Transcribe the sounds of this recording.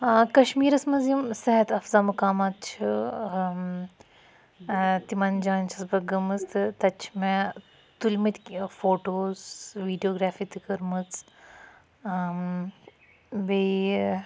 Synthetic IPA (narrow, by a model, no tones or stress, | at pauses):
kɐʃmiːɾɐsmɐzjimsɐɦɐt̪ɐfzaːmukaːmat̪̚t͡ʃʰu | t̪imɐnd͡ʒaːnt͡ʃʰɐsbɐɡɐmɐst̪ʰɨt̪ɐt͡ʃʰmẽ | t̪ulmit̪ʲfoːʈoːzʋiːɖijoːɡɾaːfit̪ikɐɾmɨt͡s | be